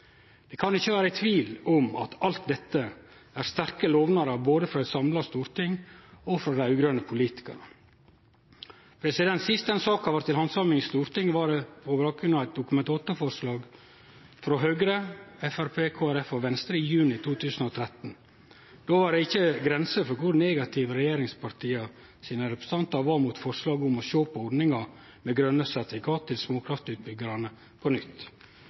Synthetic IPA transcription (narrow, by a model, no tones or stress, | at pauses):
d̪̥ɛkʰɑnɪçːəʋæːɾəæɪt̪ʰʋiːlɔmɑ̰t̪ɑlt̪d̪ɛt̪ːə | æɾst̪æɾkəloːʋnɑɾəboːd̪əfɾɔɛsɑmlɑst̪uːɾt̪ɪŋɔfɾɑd̪æɪʉːɡɾœnəpʰʊliːt̪ɪ̥kə̰ɾə | pʰɾɛsɪd̪ɛnt̪sɪst̪ɛnsɑːkhɑʋɑɾʈt̪ːɪlhɑnsɑmɪŋst̪uːɾt̪ɪŋːʋɑɖɛpʰɔbɑːk̚ɡɾʉnɑæɪt̪̚d̪ʊkʉmɛnt̪ɑːt̪əfɔɾʂlɑːɡ | fɾoːɦøːɡɾəɛfæɾpʰeːkʰoːæɾɛfɔʋɛnst̪ɾəɪjʉːnɪt̪ʰuːt̪ʰʉːsən̩ɔt̪ʰɾɛt̪n̩ | d̪̥oːʋɑɾɖ̪ɛɪçːəɡɾɛnsəfɔɾkʰʊɾneːɡɑt̪ʰɪʋɾɛjeːɾɪŋspʰɑɾt̪ʰiːɑ | siːnəɾɛpɾɛ̥sɑnt̪ɑʋɑɾmuːt̪fɔɾʂlɑːɡʊmɔʃøːpəɔɖnɪŋɑ | mɛɡɾœnːəsɑt̪ɪkʰɑːt̪ʰːɪlsmoːkʰɾɑft̪ʉːt̪̚bʏɡəɾɑnə | pʰɔnʏt̪ː